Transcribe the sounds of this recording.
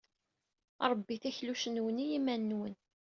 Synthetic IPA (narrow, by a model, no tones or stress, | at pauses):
ɾˤəbːiθæçluʃənwənijimænːwən